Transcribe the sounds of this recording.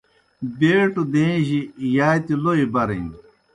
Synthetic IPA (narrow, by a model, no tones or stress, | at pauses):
beːʈud̪ẽʑijaːjt̪iloibɐɾḛ̃